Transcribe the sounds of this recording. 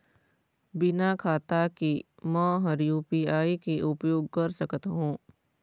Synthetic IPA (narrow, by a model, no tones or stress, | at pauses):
bɪnakʰaːt̪akimə̃ɦɐɾjuːpiaːikiʔʊpjoːɡ̚kɐɾsɐkt̪ɦũː